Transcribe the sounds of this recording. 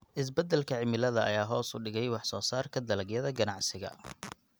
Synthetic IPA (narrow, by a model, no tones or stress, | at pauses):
ʔɪs̬bɛd̪ɛlkʰɐʕɪmɪlɐðɐɐ̰jaːɦɔːsʊ̰ɖɪɣɛjwɑħsɔːsaːrkʰɐd̪ɐlɐɡjɐðɐɡɐnɑʕsɪɣɐ̰